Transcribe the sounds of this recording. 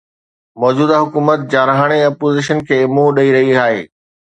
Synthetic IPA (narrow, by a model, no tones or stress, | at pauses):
mɔːd͡ʑuːd̪aɦʊkuːmət̪̚d͡ʑaːɾəɦəɽ̃eɐpoːzɪʃənkʰeːɪmuɗɐiɾɐɦiaːɦḛː